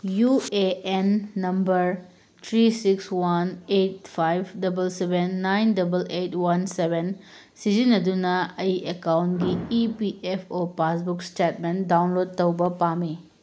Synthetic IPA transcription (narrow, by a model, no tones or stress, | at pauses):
jueenːɐmbɐɾ | tʰɾisikswanet̚pʰajb̚ʰdɐbɐlsebenːajndɐbɐletwansebʱen | sizinːɐdunɐɐjekawntɡiːpiʔepʰopasbukstetmendawnlod̚tɐwbɐpami